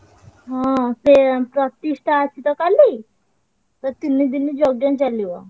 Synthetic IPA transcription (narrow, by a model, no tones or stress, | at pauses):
ɦãt̪epɾət̪iʂʈʰaːsit̪ɔkaliː | t̪əɾt̪inːid̪inːiːd͡ʑoɡjãnt͡ɕaliʋa̰